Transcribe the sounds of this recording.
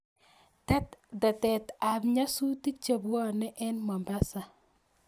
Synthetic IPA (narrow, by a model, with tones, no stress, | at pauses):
tɛ˦t̪dɛ˨tɛ˨t̪a˨bɲa˦su˦ti˦k̚t͡ʃa˨bwɔ˦nɛ˦ʔɛ˦nmɔ˨mba˦sa˨